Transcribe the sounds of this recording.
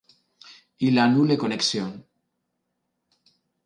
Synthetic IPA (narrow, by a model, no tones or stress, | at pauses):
ilanulekoneksjon